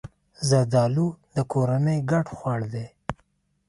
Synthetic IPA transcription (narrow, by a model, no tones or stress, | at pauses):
zad̪ɑlud̪əkoɾanəjɡaʈxwɑɽd̪e